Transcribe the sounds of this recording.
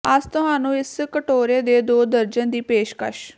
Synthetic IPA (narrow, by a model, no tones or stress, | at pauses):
əst̪ʊɦaːnũːɪskəʈoːɾeːd̪eːd̪oːd̪əɾd͡ʒənd̪iːpeːʃkə̰ʃ